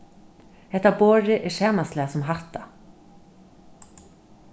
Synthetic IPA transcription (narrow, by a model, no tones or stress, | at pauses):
hɛht̪aboːɾɪʔɛʃɛːmaslɛasɔmɦaht̪a